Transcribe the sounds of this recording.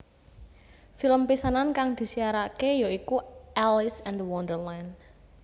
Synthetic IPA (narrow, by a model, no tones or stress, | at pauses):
filəmpisanankaŋd̪̥i̤siaɾakejoikuʔɛlɪsɛ̃nəwɔndərlajn